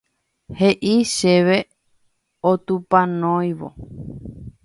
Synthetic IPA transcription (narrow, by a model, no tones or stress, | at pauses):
heʔiʃeʋe | ot̪upãnõjʋo̰